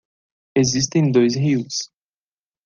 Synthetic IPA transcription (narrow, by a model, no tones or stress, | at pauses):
ezis̬t̪ẽj̃d̪ojsɦiws